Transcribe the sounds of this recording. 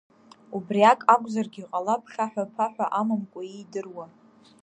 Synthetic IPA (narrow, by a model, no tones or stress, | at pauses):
ubriakʼakʷʼzarɡʲiqʼalapʰχaħʷᶣapʰaħʷᶣaʔamɨmkʷʼaidɨrwa